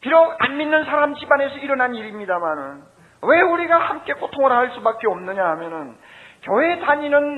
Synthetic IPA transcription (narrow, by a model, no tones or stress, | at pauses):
piɾʌɡa̰nminːɯnsʰaɾamt͡ɕibane̞sʰʌiɾʌnaniɾimɲidamanɯn | we̞uɾiɡahamk͈e̞k͈otʰoŋʌɾaɦaɭs͈ubak͈eʌmnɯɲaɦamjʌnɯnkjʌwe̞taɲinɯn